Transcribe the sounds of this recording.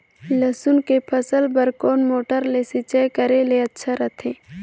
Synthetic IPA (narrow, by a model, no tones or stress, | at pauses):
ləsʊnkepʰəsəlpəɾkoːnmoːʈəɾlesɪt͡ʃajkəɾeleɐtːʃʰaɾət̪ʰeː